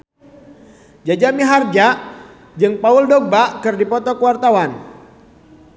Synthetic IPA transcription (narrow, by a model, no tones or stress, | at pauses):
d͡ʒad͡ʒamiɦard͡ʒa | d͡ʒɨŋpauldɔɡ̚bakɨrdipɔt̪ɔkəwart̪awan